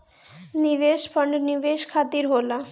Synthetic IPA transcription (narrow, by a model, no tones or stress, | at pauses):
niʋeʃpʰəɳɖniʋeʃkʰat̪iɾɦola